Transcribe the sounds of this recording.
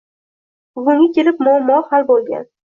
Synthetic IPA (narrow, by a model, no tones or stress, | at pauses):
ʊɡʊŋʲakʲʰelɪp̚mʊamːɒhalbolˠɡʲa̰n